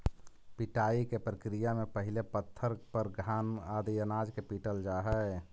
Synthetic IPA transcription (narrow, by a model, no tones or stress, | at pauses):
piʈaːikepɾəkɾijamepəɦilepət̪ʰːəɾpəɾɡʱaːnad̪iənad͡ʒkepiʈəld͡ʒaɦɛ